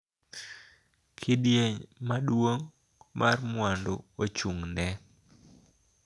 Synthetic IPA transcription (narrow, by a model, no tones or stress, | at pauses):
kʰɪdjeɲmaɗwoŋ | mʔarmwandoot͡ʃuŋnɛ